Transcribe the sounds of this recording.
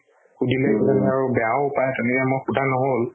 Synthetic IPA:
xudilesanaɹubɛaupajɛtɛnɛkɛmojxudʱanɔɦol

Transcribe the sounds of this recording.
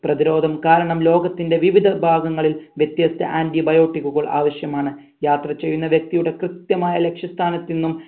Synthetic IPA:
prɐðiɾo̞ːd̪ʱɐmkaːɾɐɳɐmlo̞ːɡɐt̪ːinde̞ʋiʋid̪ʱɐbʱaːɡɐŋːɐɭilʋjɐt̪jaːst̪ɐ̰ʔaːndibɐjo̞ːʈːikːuɣɐɭʔa̰ːʋɐɕjɐmaːɳɨ | jaːt̪rɐt͡ɕːe̞jːunːɐʋjek̚t̪ijuɽe̞krɨt̪jɐmaːjɐle̞kʂjɐst̪ʰaːnɐt̪ːinːum

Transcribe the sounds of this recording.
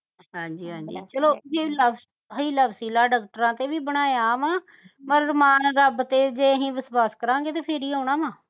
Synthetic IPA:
ɦãːɲd͡ʒiːɦãːɲd͡ʒḭːt͡ʃəloːd͡ʒeːləbs | ɦəiːləbsiːlaːɖaːk̚ʈəɾãːt̪eːʋiːbəɽ̃aːjaːʋãː | məɾːmaːnɾəbt̪eːd͡ʒeːəɦĩːbɪswaːskəɾãːɡeːt̪eːpʰeɾiːaːʊɳãːʋãː

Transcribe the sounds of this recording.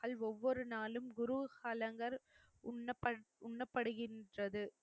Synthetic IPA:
ɐɭɔʋːɔɾɯnaːlɯmɡʊɾuhɐlɐŋɡɐɾ | ʊnːɐpːɐʊɳːɐpːɐɽɯɣɪndrɐðɯ

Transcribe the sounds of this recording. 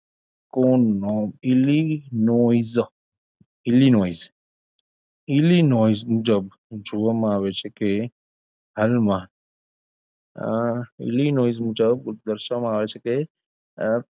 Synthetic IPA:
konːɔilinoiz | ilinoːiz | ilinoizmũd͡ʒəb | d͡ʒuʋəmaaʋet͡ʃʰeke | ɦəlmã | ḭlinoːizmũd͡ʒəbd̪əɾʃəmãaːʋet͡ʃʰeke

